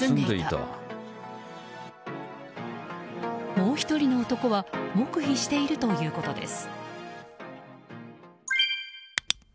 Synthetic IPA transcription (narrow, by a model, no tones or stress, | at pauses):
nd̪eit̪a̰ | mo̞ːçi̥t̪o̞ɾʲino̞ːt̪o̞ko̞βamo̞kɯ̟çiɕi̥t̪e̞iɾɯ̟t̪o̞jɯ̟ːko̞t̪o̞d̪e̞̰sɨ̥